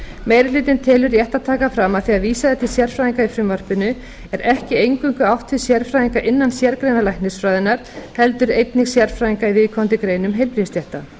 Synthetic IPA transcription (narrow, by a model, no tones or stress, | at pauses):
mejɾɪlʏːt̪ɪnt̪ʰɛːlʏɾiɛht̪at̪ʰaːkafɾamaðθiaðviːsaðɛt̪ʰɪsjɛɾ̥fɾaːjiŋkaifɾʏmvar̥pɪnʏ | ɛɾɛhcɪejŋkʏŋkʏawht̪vɪðsjɛɾ̥fɾajiŋkaʔɪnːansjɛɾkɾejnalajhknɪsfɾaːjðɪnaɾ̥hɛlt̪ʏɾejt̪nɪɣsjɛɾfɾaːjiŋkaivɪðkʰɔnt̪ɪkɾeːjnʏmɦejlpɾist̪jɛht̪a